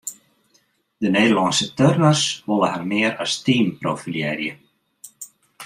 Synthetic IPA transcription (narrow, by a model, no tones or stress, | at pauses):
d̪ənejðəlɑnsət̪œrnərsʋɔlˠəharmɪːɾast̪iːmpɾowfiljɛɾjə